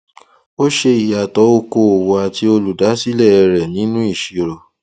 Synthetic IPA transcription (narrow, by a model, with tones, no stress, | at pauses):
o˦ʃe˧i˨ja˨tɔ˨˦o˧ko˧o˨wo˧a˨ti˧o˧lu˨da˨˦si˦lɛ˦˨ɛ˧ɾɛ˨nĩ˨˦nũ˦i˦˨ʃi˨ɾo˨˧